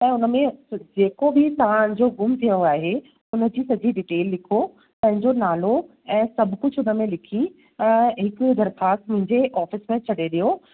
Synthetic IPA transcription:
ɛ̃ːʊnə̆mẽd͡ʑeːkobʱɪt̪ɐʋ̤ãʊnɪ̃d͡ʑoɡʊmt̪ʰijə̃aːɦe | ʊnə̆d͡ʑiːsɐd͡ʑiɖɪʈeːlːɪkʰo | pɐ̃ɦɪ̃ɲd͡ʑonaːlo | ɛ̃ːsɐbʱkʊd͡ʑʱʊnə̆mẽlɪkʰĩ | ɦɪkːd̪ɐɾxaːst̪mʊ̃ɦɪ̃ɲd͡ʑeʔɔːfɪsmẽt͡ɕʰɐɗeɗijo

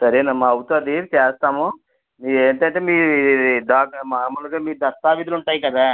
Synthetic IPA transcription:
sɐɾenɐmːɐɐwt̪oːd̪it͡ʃeːst̪aːmu | mieːɳʈɐɳʈeːmiːɾuiiid̪aːkmaːɾmɐːluɡaːmiːɾud̪ɐst̪aːʋid̪ɐluɳʈaːjikɐd̪aː

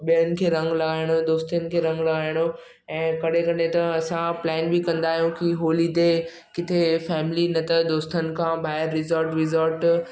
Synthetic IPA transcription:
ɓijənɪ̆kʰeːɾɐ̃ŋɡlɐɡaːɪɽ̃od̪oːst̪ijənɪ̆kʰeːɾɐ̃ŋɡlɐɡaːɪɽ̃o | ɛ̃ːkɐɗ̤ekɐnet̪ɐɐsãplɛːnbikɐ̃nd̪aːɦijũkiɦoːlit̪e | kɪt̪ʰefɛːmɪlinɐt̪ʰɐd̪oːst̪ənɪ̆kʰãbaːɦɪəɾːɪzəɾʈɾɪzəɾʈ

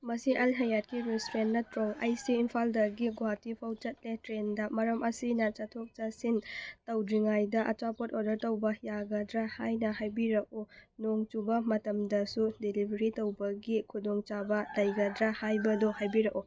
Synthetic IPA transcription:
mɐsiʔɐlɦɐjat̚kiɾistɾennɐtɾoŋa̰jsiːnpʰaldɐɡiɡuatipʰawt͡ʃɐt̚letɾendɐmɐɾɐmɐsinɐt͡ʃɐtʰok̚t͡ʃɐsintɐwdɾiŋajdɐʔɐt͡ʃapotodɐɾtɐwbɐjaɡɐdɾɐhajnɐhajbiɾɐk̚unoŋt͡ʃubɐmɐtɐmdɐsudelibʱɐɾitɐwbɐɡikʰudɔŋt͡ʃabɐlɐjɡɐdɾɐhajbɐdohajbiɾɐku

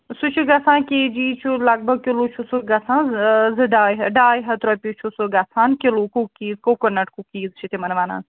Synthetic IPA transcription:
sut͡ʃʰiɡɐsãːkʲeːd͡ʒiːt͡ʃʰulɐɡ̚bɐɡ̚kilut͡ʃʰusuɡɐsãːzɨɖaːjɦɐɖaːjɦɐt̪ɾɐpʲit͡ʃʰusuɡɐsʰaːnkilukukiːzkokonɐʈkukiːzt͡ʃʰit̪imɐnʋaːna̰ːn

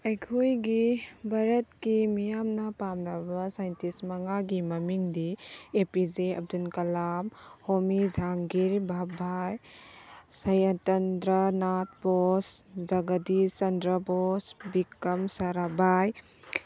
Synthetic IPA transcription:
ɐjkʰujɡibʱaɾɐt̚kimijamnɐpamnɐbɐsajntismɐŋaɡimɐmiŋdiepid͡ʒeɐ̰b̚dunkɐlamhomid͡ʒaŋɡiɾbʱabʱaj | sɐjatɐndɾanat̚bosd͡ʒɐɡadisɐndɾɐbosbikːɐmsaɾabaj

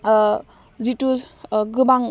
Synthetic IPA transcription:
zitu | ɡɯbaŋ

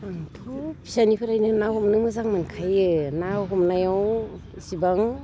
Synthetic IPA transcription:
aŋtʰɔpʰi̥sanipʰɯɾajnɯnawhɔmnɯmɯzaŋmɯnkʰajɯnawɦɔmnajaw | sibaŋ

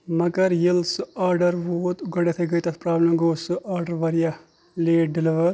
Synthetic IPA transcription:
mɐɡɐɾjilsɨaːɾɖɐɾʋoːt̪uɡɐɽet̪ʰeɡɐjt̪ɐt̪ʰpɾaːblemɡoːsɨʔaːɾɖɐɾʋɐɾija | leːʈ̚ɖɪliʋɐɾ

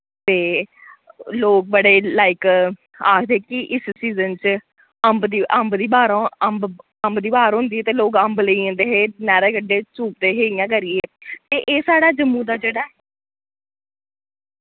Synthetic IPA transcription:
t̪eː | loːk̚bəɽeːlaːɪk | aːkʰd̪eːkɪʔɪssiːzənt͡ʃ | əmbd̪iːʔəmbd̪iːbaːɾõːəmb | əmbd̪iːbaːɾɦʊ̃nd̪iːɛːt̪eːloːkəmbləiãːnd̪eːɦeːnɛːɾeːkəɖːeːt͡ʃuːp̚d̪eːɦeːɪjãːkəɾɪːeːt̪eːʔeːsaːɽaːd͡ʒəmːũːd̪aːd͡ʒeːɽaːɛ

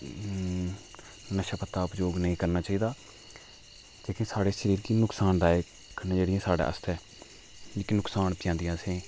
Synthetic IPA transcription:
nəʃapət̪ːaːʊpd͡ʒoːɡnəĩːkəɾnaːt͡ʃaːiːd̪aː | d͡ʒeːkẽːsaːɽeːʃəɾiːɾkinʊksaːnɾaːeː | kənãːd͡ʒeːɽɪjãːsaːɽa̰ːə̰st̪ɛː | d͡ʒeːkinʊksaːnpɪjãːnd̪ɪjãːsẽː

